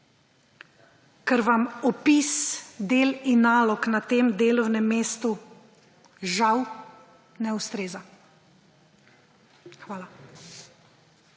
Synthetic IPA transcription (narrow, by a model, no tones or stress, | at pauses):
kɛɾʋamɔpisd̪eːlinːaːlɔknat̪eːmd̪eːlɔwnɛmːeːst̪u | ʒaw | nɛust̪ɾeːza | xʋaːla